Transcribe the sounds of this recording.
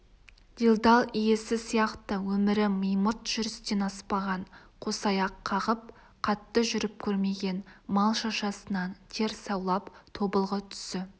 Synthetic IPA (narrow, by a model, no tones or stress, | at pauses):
d̪̥ilˠd̪ɑlˠijesɪsijɑqt̪əwɵmɪɾɪməjmət̪ʒ̥ʏɾɪst̪e̞nɑspɑʁɑɴqʰo̞sɑjɑqʰːɑʁəp̚ | qʰɑt̪ːəʒʏɾɪp̚kʲʰɵɾme̞ɡʲe̞nmɑlˠʃɑʃɑsənɑnt̪ʰe̞ɾsɑwlˠɑpt̪ʰo̞bəlˠʁət̪ʰʏ̥sɪ